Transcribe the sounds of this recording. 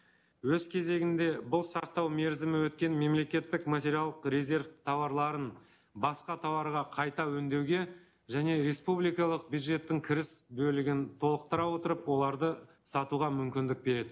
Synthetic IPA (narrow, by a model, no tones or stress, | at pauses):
wɵzkʲʰe̞ze̞ɡʲɪnd̪e̞bʊlˠsɑq̚t̪ɑwme̞ɾzɪmɪwɵt̪kʲe̞nme̞mle̞kʲe̞t̪ːɪkmat̪ʲe̞ɾijalˠd̪əqɾe̞zʲe̞ɾft̪ʰɑwɑɾlˠɑɾən | bɑsqɑt̪ʰɑwɑɾʁɑqʰɑjt̪ɑwɵnd̪e̞wɡʲe̞ | ʒæne̞ɾe̞spublijkɑlˠəq̚bjud̪ʒe̞t̪ːɪŋkʲʰɪɾɪsbɵlɪɡʲɪnt̪ʰo̞lˠəqt̪əɾɑwo̞t̪əɾəpwo̞lˠɑɾd̪ə | sɑt̪uʁɑmʏmkʲɪnd̪ɪk̚be̞ɾe̞d̪ɪ